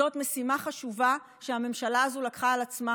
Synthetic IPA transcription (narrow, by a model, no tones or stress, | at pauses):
o̞tmesimaχaʃuva | ʃeame̞mʃalaːzulakχaːlat͡sma